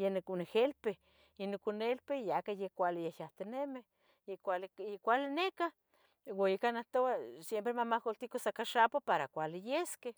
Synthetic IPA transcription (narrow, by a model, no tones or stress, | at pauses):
jenkunexelpe | enokunelpejakajekʷalɪjejaht̪eneme | ekʷalekʷalɪneka | waikanaht̪oasjempɾemamahkolt̪ikosakaʃapopaɾakʷalɪjeske